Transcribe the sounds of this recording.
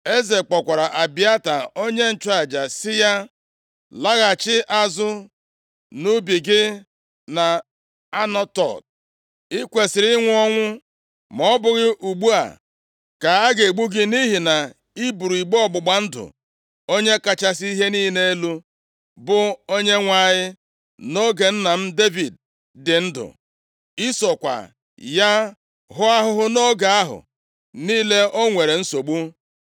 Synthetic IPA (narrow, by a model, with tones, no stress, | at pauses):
e˦ze˨k͡pɔ˨kʷa˨ɾa˨ʔa˨bɪ˦a˦ta˨o˦ɲe˦n̩˦t͡ʃa˨d͡ʒa˨sɪ˦ja˦ | la˦ɣa˨t͡ʃɪ˦ʔa˦zʊ˦ | nu˦bi˨ɡɪ˦ | na˨ | a˦nɔ˦tɔ̰˨t̚ | ɪ˦kʷe˨sɪ˨ɾɪ˦ŋʷʊ˦ɔ˦ŋʷʊ˦ | mɔ˦bʊ˨ɣɪ˦ʔu˨ɡ͡bu˦a̰˨ | ka˨a˦ɡe˨e˨ɡ͡bu˦ɡɪ˦ni˦ɦi˨na˨ | i˦bu˨ɾu˨i˨ɡ͡bɔ˦˨ɡ͡bʊ˨ɡ͡ba˨n̩˦dʊ̰˨ | o˦ɲe˦ka˨t͡ʃa˦si˦ɦe˦niː˦ne˦lu˦ | bʊ˨o˦ɲe˦ŋʷa˨ɲɪ˦ | no˦ɡe˨n̩˦na˨m̩˦de˦vi˨d̚ | dɪ˨n̩˦dʊ̰˨ | i˦sɔ˨kʷa̰˨ | ja˦ | ɦʊ˦a˦ɦʊ˦ɦʊ˦no˦ɡa˨a˦ɦʊ̰˨ | niː˦le˦o˦ŋʷe˨ɾe˨n̩˦so˨ɡ͡bu˦